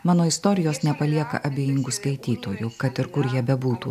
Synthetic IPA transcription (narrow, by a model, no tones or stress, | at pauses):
mɑːnoːɪst̪oːɾʲɪjoːsnʲɛpɐlʲiɛkɐ̰ʔɐbʲeːjɪŋɡʊskɐɪt̪ʲiːt̪oːjʊkɐt̪ɪɾkʊɾjiɛbʲɛbuːt̪ṵː